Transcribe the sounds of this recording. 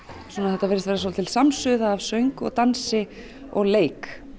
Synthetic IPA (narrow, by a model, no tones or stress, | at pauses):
sɔːnaðɛt̪avɛːɾɪst̪vɛːɾasolt̪ʰɪlsamsʏðaːvsœɥŋkɔ̰ɣt̪ansɪ | ɔ̰ɣleːjk